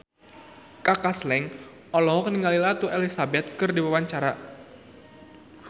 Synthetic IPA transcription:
kakaslɛŋ | ɔlɔɦɔkəniŋalilat̪uʔelisabɛt̪̚kɨrdiwawaɲt͡ʃaɾa

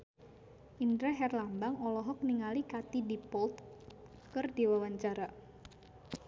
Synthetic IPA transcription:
ʔindɾɛɦɛrlambaŋɔlɔɦɔk̚niŋalikat̪idipɔlt̪̚kɨrdiwawaɲt͡ʃaɾa

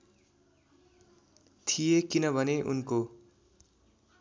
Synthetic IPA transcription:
t̪ʰijekinʌbʱʌneʔṵnko

